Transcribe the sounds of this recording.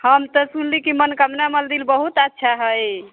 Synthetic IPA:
həmt̪əsunlikimənkəmnaməld̪ilbəɦut̪ətːʃʰaɦəj

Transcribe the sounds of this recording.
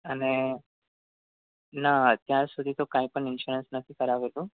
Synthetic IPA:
əne | nat̪jãɾsud̪ʱit̪okaːĩpəɳinʃuɾensnət̪ʰikəɾaʋelu

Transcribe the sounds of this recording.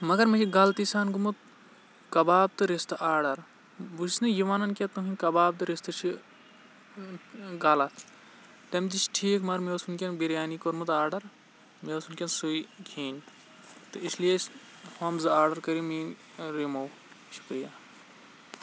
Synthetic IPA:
mɐɡɐɾmɐt͡ʃʰiɡaːlt̪isaːnɡumut̪ | kɐbaːb̚t̪ɨɾest̪ɨʔaːɾɖɐɾ | bussnɨjiʋaːnɐnkʲet̪uɦinʲkɐbaːb̚t̪ɨɾest̪ɨt͡ʃʰi | ɡaːlɐt̪ʰ | t̪ɐmd̪it͡ʃʈʰiːkʰmɐɾmewsunkʲɐnbiɾjaːnikoɾmɐt̪aːɾɖɐɾ | mewsʰunkʲɐnsuikʰiːnʲ | t̪ɨislijes | hɐmzɨaːɾɖɐɾkɐɾimiːn | ɾimɐw | ʃu̥kɾijaː

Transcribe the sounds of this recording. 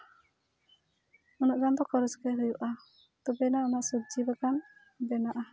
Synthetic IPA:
unɔʔd͡ʒand̪ɔkɔɾɔskɛɾəjuʔa | t̪ɔbɛnaɔnaʔsɔd͡ʒibakan | bɛnaʔa

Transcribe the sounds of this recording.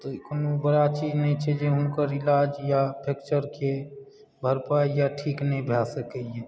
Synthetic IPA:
t̪oknobəɽat͡ʃiːd͡ʒnəɦĩt͡ʃʰɛd͡ʒeʊnkəɾɪlaːd͡ʒjapʰekt͡ʃəɾke | bʱəɾpaːijaʈʰiːknəĩbʱaːsəkəjɛ

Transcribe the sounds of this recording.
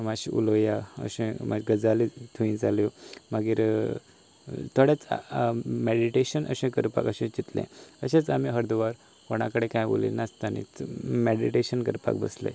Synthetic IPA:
maɕiʔṵlojaə̰ɕẽmaɡəd͡zalit̪ʰuĩd͡zaljomaɡiːɾ | t̪ʰoɽjat͡s | meɽɖiʈeɕənə̰ɕẽkəɾpa̰kəɕẽt͡ɕit̪lḛ̃əɕẽt͡samiɦəɾd̪uʋaɾ | koɽ̃akəɽekãjbo̰lḭnast̪anḭt͡smeɖiʈeɕənkəɾpa̰kbə̰slə̰

